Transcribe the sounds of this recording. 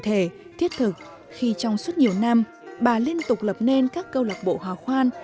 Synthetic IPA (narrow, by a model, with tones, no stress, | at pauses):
t̪ʰe˧˩ | t̪ʰi˦˥ət̚t̪ʰɨ˨˩k̚ | xi˧t͡ɕɔ˧wŋ͡msu˦˥t̚ɲi˨˩əwna˧m | ɓaː˨˩li˧ənt̪ʊ˨˩k͡p̚lə˨˩p̚ne˧nkaː˦˥kːə˧wlə˨˩p̚ɓo̰˧˨ɦwaː˨˩xwaː˧n